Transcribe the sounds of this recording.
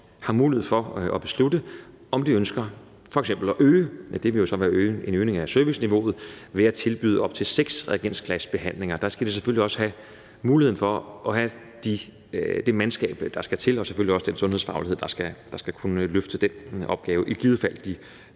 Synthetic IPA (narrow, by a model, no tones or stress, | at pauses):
hɑ̈muːliheð̩̰ˠfɒ̽ɒ̽b̥e̝sludə | ɒ̽md̥iønsɡ̥ɐ | fɒ̽eɡ̥sem̰b̥l̩ɒʔøːd̥e̝ʋe̝jo̝sɒ̽ʋæːɐøːe̝nøːne̝ŋæsøɐʋisniʋo̝̰ːð̞̩ˠʋe̝æt͡sʰe̝lb̥y̰ːð̞̰ˠɒ̽b̥̚t͡sʰe̝lseɡ̥sʁɛɡ̥en̰skʰlæsb̥e̝ɦæn̰le̝ŋɐd̥ɑ̈sɡ̥æd̥eseføl̰liɒ̽sə̥hæ | muːlie̝n̩fɒ̽ʔɒ̽hæ | d̥i | d̥e̝mænsɡ̥ɛ̰ːb̥d̥ɑ̈sɡ̥æt͡sʰe̝lɒ̽se̥føliɒ̽səd̥ensɔ̽nheðˠfɑ̈ʊliheð̰ˠd̥ɑ̈sɡ̥æd̥ɑ̈sɡ̥ækʰunəløfd̥əd̥enɒ̽b̥̚ɡ̥ɛːʊəʔiɡ̥iːð̞̩ˠfæl̰d̥d̥i